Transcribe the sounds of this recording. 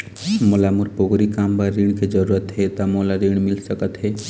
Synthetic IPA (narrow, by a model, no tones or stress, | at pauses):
molamuɾpoɡɾikaːmbaɾiɳ̃ked͡ʒəɾuɾət̪ɦɛt̪amolaɾiɽ̃mɪlsəkət̪ɦɛː